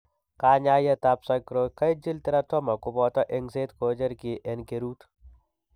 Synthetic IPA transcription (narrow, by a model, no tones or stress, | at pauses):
kaːɲaːjɐt̪apsɐkɾokɐid͡ʒilt̪ɐɾɐt̪ʰɔmɐkubɔːt̪ɐʔeŋseːt̪koːd͡ʒɐɾkiʔenkeɾuːt̪